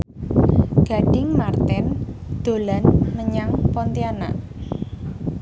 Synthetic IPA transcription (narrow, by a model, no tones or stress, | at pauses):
ɡ̥a̤ɖ̥ɪŋmart̪ɛnd̪̥o̤lanməɲaŋpɔnt̪iana̰